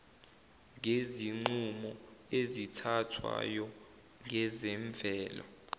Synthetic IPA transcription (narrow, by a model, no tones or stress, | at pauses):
ŋeziŋ͡ǃumɔezitʰatʰwa̰jɔ | ŋɛzɛɱb̪vʱɛːla̰